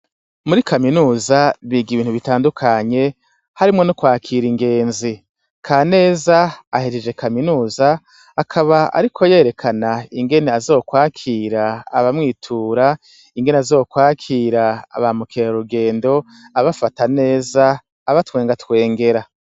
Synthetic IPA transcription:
muɾikaminuːzaβiːɡiβiːn̥huβitaːndukʰaɲe̞ | haɾimŋo̞nokwaːkʰiːɾiŋɡe̞ːnzi | kʰaːne̞ːzaaheɾed͡ʒe̞kʰaminuːzaː | kʰaβaa̰ɾikʰo̞je̞ːɾe̞kʰanaiŋɡe̞neazo̞ːkwaːkʰiːɾaːβamŋiːtʰuːɾa | iŋɡe̞neazo̞ːkwaːkʰiːɾaa̰βamukeoɾuɡe̞ːndo̞ | aβafatane̞ːzaː | βatwe̞ːŋɡatwe̞ːŋɡe̞ɾa

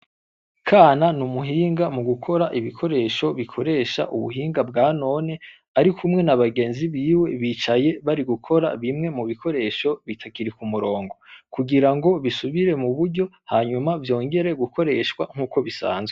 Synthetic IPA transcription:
kʰaːnanumuɦiːŋɡamuɡukʰo̞ɾaʔiβikʰo̞ɾe̞ːʃo̞βikʰo̞ɾe̞ːʃa̰ʔuβṵɦiːŋɡabɡaːno̞ne̞ | aɾikʰumŋe̞naβaɡe̞ːnziβiːwe̞βiːt͡ʃaje̞βaɾiɡukʰo̞ɾa̰βimŋe̞muβikʰo̞ɾe̞ːʃo̞βitʰakiɾikumuɾo̞ːŋɡo̞kuɡiɾaŋɡo̞βisuβiɾe̞muβuɾɟo̞haːɲumavjo̞ːŋɡe̞ɾe̞ɡukʰo̞ɾe̞ːʃwa̰ŋ̥uːko̞βisa̰ːnzwe

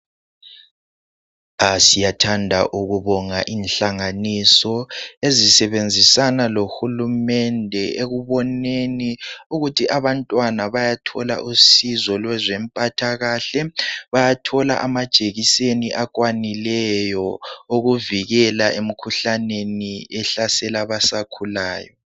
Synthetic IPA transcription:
asijatʰandʱa̰ʔuɣuβɔŋaʔinɬaŋanisɔezisɛβend͡zʱisanaloxulumɛndʱɛeɣuβɔneniuɣutʰiʔaβantʼwanaβajatʰɔla̰ʔusizɔlwɛzɛmpʼatʰaɣaɬɛβajatʰɔla̰ʔamad̥ʒ̥ʱʼeɣiseniʔak̬ʼwanilɛjɔoɣuviɣɛlaʔem̩kʰuɬaneniɛɬasɛlaβasakʰulaːjɔ

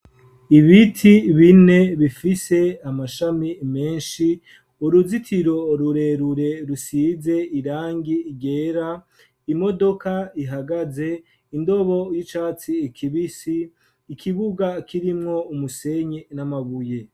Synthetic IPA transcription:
iβitʰiβine̞βifise̞amaʃamime̞ːnʃi | uɾuzitʰiɾo̞ɾuɾe̞ɾuɾe̞ɾusiːze̞iɾaːŋɡiiɡe̞ːɾa | imo̞do̞kaiɦaɡaze̞ | indo̞βo̞jit͡ʃaːt͡siːkʰiβisiː | kʰiβuɡakiɾimŋo̞umuse̞ɲenamaβuje

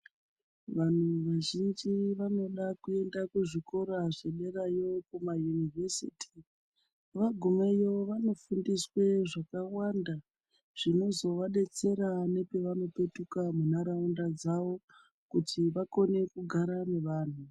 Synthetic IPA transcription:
ʋan̤uʋaʒind͡ʒiʋano̞ɗakue̞ndakuʐiko̞ɾaʐe̞ɗe̞rajo̞kumajunivesḭːtʰi̥ | ʋaɡʱumejo̞ʋano̞fundiswe̞ʐakawanda | ʐ̥ino̞zo̞ʋaɗe̞t͡se̞ɾane̞pe̞ʋano̞pe̞tukamunaɾaundad͡zaʋo̞ | kutiʋako̞ne̞kuɡʱaɾameʋaːn̤u

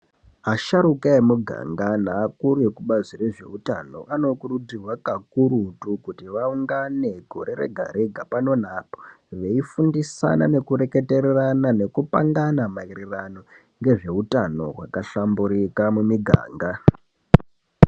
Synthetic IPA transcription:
aʃaɾukaemuɡʱa̰ŋɡanaːkuɾujekuɓazire̞ʐe̞̰uta̰no̞̰ʔano̞kurud͡zirwakakuɾutukutiʋauŋɡane̞ɡʱo̞ɾe̞ɾe̞̰ɡʱa̰ɾiɡʱapano̞n̤aːpo̥ | ʋe̞ifundisa̰nane̞kuɾe̞ke̞te̞ɾeranane̞kupaŋɡanamairirano | ŋɡe̞ʐe̞utano̞̰ɦwa̰kaɬambuɾikamumiɡʱa̰ːŋɡa

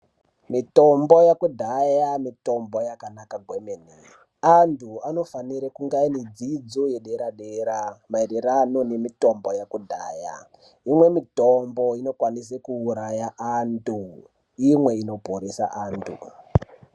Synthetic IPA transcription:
mito̞mbo̞jakudʱajamito̞mbo̞jakanakaɡʱwemeni | antʰuano̞faniɾekuŋɡainid͡zid͡zojeɗeɾaɗeɾamaiɾerano̞ne̞mito̞mbo̞jakudʱa̰ːja̰ | imwe̞mitombo̞ino̞kwanis̬ekuːɾajaʔantu | imwe̞ino̞poɾesa̰ʔaːntʰṵ

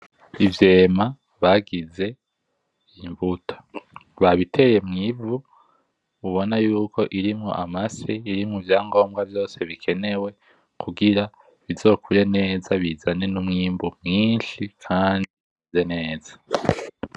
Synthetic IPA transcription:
ivje̞ːma | βaɡize̞ | iɱvutʰḁβaβitʰe̞je̞mŋivu | uβo̞najuːkʰo̞ʔiɾimŋo̞̰ʔamaseiɾimŋuvjaːŋɡo̞ːmɡavjo̞ːse̞βikʰe̞ne̞we̞ | kʰuɡiɾa | βizo̞ːkʰuɾe̞ne̞ːzaβizane̞numŋiːmbumŋiːnʃikʰaːni | izene̞ːzḁ

